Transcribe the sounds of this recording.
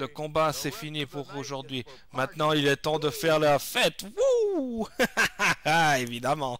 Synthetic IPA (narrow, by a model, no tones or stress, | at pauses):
ləkɔ̃basɛfinipuʁoʒuʁd̪ɥi | mɛ̃t̪nɑ̃ilɛt̪ɑ̃d̪əfɛʁlafɛt̪wu | evid̪amɑ̃